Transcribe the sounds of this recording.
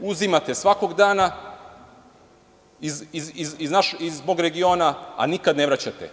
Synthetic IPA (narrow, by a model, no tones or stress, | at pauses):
uzimat̪e̞sʋako̞ɡd̪aːna | iziziziznaʃizbo̞ɡɾe̞ɡio̞ːnaa̰nikad̪neʋɾat͡ɕat̪ḛ